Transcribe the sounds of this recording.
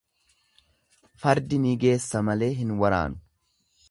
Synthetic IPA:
fɐɾd̪ɪniːɡe̞ːsːɐmɐle̞ːɦɪnwɐɾa̰ːnʊ̥

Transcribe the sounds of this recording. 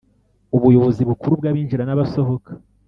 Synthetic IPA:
uβujo̞βo̞ziβukuɾub̚ɡaːβiːnʒiɾanaβaso̞ɦo̞kḁ

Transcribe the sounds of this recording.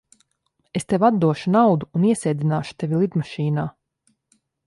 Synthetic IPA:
est̪evʲad̪d̪uɔʃunawd̪uːniɛsɛːd̪ʲinaːʃu̥t̪evʲilˠid̪maʃiːnaː

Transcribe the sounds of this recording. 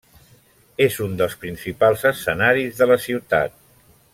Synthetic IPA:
ezund̪əlˠspɾinsipalˠzəsənaɾizðələsiwt̪a̰t̪̚

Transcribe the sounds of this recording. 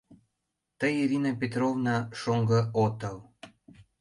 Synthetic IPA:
t̪əjiɾʲinɑpʲet̪rovnɑʃoŋɡəot̪əl

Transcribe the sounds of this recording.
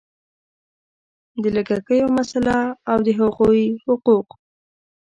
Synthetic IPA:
d̪ələɡakəjomasalaawd̪əɦaɣuhʊquq

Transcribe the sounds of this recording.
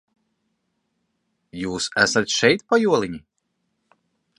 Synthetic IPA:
juːsæ̰sat̪ʃɛjt̪pajuɔlˠiɲi

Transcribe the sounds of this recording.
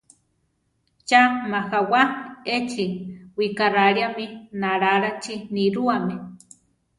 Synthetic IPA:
t͡ʃamaxawaet͡ʃiwikaraɺjaminaɾaɾat͡ʃiniɾuame

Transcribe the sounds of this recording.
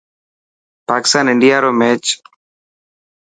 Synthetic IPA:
paːkɪ̥st̪aːnɪɳɖɪjaːɾoːmeːt͡ʃ

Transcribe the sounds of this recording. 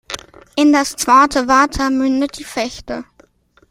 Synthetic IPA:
ʔɪndast͡sv̥aːtʰəvaɐtʰɐmʏndəd̥iːfɛçtə

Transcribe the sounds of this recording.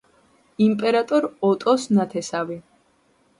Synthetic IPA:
impʼɛɾat̪ʼɔɾɔt̪ʼɔsnat̪ʰɛsavi

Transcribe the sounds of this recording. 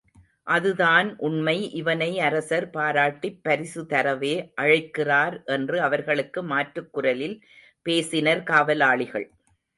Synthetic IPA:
ʔɐðɯðaːnʔʊɳmɐɪʔɪʋɐnɐɪɐɾɐsɐɾpaːɾaːʈːɪpːɐɾɪsɯt̪ɐɾɐʋeːʔɐɻɐɪkːɪraːɾʔɛndrɯɐʋɐɾɣɐɭɯkːɯmaːʈrɯkːʊɾɐlɪl | peːsɪnɐɾkaːʋɐlaːɭɪɣɐ̰ɭ

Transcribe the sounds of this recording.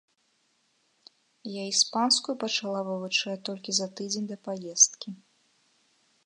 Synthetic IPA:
jaispanskujupɐt͡ʂalˠavɨvut͡ʂɛɛt̪ɔlʲkʲizɐt̪ɨd͡zʲenʲd̪ɐpajɛst̪̚kʲi

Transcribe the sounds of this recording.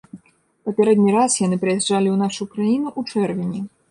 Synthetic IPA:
pɐpʲɛɾɛd̪̚ʲnʲiɾasjanɨpɾɨjɛʐd͡ʐalʲiwnaʂujkɾajinuʔut͡ʂɛrvʲinʲi

